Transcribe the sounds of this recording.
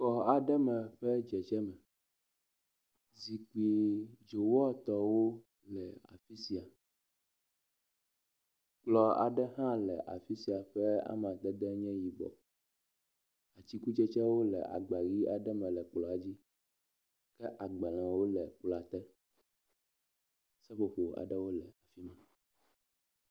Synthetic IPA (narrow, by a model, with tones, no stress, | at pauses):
kɔ˨a˨ɖɛ˦mɛ̃˨ɸɛ˦d͡ʒɛ˨t͡ʃɛ˦mɛ̃˨ | zi˨k͡pi˨d͡ʒo˨wɔ˦t̪ɔ˨wo˦ | lɛ˨a̰˨fi˦si˦a˨ | k͡plɔ˨a̰˨ɖɛ˦ɦã˦lɛ̰˨ʔa̰˨fi˦si˨˦a˨ɸɛ˦a̰˦m˨ã˨d̪ɛ˦d̪ɛ˦ɲɛ̃˦ji˨ɡ͡bɔ̰˨ | a˨t͡ɕi˦ku˦t͡ʃɛ˦t͡ʃɛ˦wo˦lɛ̰˨ʔa̰˨ɡ͡ba˨ɣi˦a˨ɖɛ˦mɛ̃˨lɛ˨k͡plɔ˨a˨d͡ʑi˦ | kɛ˦ʔa˨ɡ͡ba˨lã˨wo˦lɛ˨k͡pla˨t̪ɛ˦ | sɛ˦ɸo˨ɸo˨a̰˨ɖɛ˦wo˦lɛ˨a˨fi˦mɛ̃˨